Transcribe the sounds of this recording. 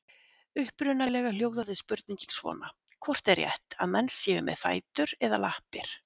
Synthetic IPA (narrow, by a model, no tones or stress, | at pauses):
ʏhpɾʏnalɛɣaljoːwðaðɪspʏɾt̪niɲcinsvɔ̰ːna | kʰvɔr̥t̪ɛrjɛ̰ht̪aðmɛnsjɛːvʏmʔɛ̰ðfa̰ːjt̪ʏɾɛðalahpɪɾ̥